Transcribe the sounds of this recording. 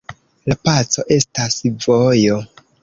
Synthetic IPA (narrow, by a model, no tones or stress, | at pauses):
lapat͡so̞ʔe̞stasvojo̞